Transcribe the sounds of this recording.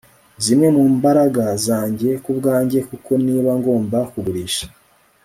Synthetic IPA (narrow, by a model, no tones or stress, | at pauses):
zimŋe̞muːmbaɾaɡazaːɲɟe̞kubɡaːɲɟe̞kuko̞niːβaŋɡo̞ːmbakuɡuɾiːʃḁ